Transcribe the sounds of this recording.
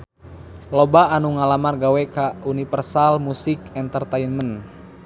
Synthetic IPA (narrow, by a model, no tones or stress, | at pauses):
lɔbaːnuŋalamarɡawɛkaunifərsalmusikɛnt̪ərt̪ainmən